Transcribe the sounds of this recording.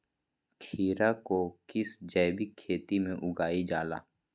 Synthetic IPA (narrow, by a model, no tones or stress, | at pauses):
kʰiːɾakokɪsd͡ʒɛːbɪkʰːeːt̪imẽʔʊɡaːid͡ʒaːla̰ː